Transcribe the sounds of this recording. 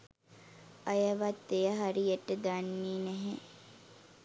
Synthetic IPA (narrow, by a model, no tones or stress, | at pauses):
ajəʋat̪ːejəɦaɾijeʈːəd̪anːiːnɛɦe